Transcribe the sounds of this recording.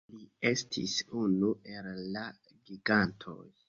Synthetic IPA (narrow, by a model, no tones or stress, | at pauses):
lie̞stʰḭsunuʔe̞lːa | ɡiɡantʰo̞̰j